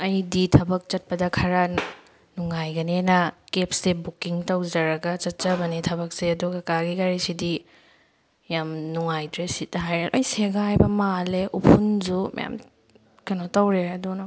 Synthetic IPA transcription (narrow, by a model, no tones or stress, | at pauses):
ɐjditʰɐbɐk̚t͡ʃɐt̚pɐdɐkʰɐɾa | nuŋajɡɐnenɐkepsːebukiŋtawd͡ʒɐɾɐɡɐt͡ʃɐt̚t͡ʃɐbɐnitʰɐβɐk̚seɐduɡɐkaɡikaɾisidi | jamnuŋajtɾesit̚ɦajɾeʔɐjseɡaɦajbɐmaleʔupʰund͡ʒumɐ̰ja̰m | kɐnotawɾeɐdunɐ